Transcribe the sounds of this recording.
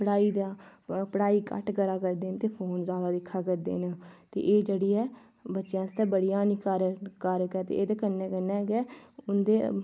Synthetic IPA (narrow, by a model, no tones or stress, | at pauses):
pəɽaːiːd̪aːpəɽaːiːkə̰ʈɡəɾaːkəɾd̪eːnt̪eːpʰoːnzjaːd̪aːd̪ɪkʰːaːkəɾd̪ḛːnt̪ḛːʔeːd͡ʒeːɽiːɛː | bətːʃjãːst̪ɛːbəɽijãːniːkəɾkəɾkɛːt̪ḛːʔeːd̪ekənːɛːkənɛ̃ːɡɛːʊnd̪eː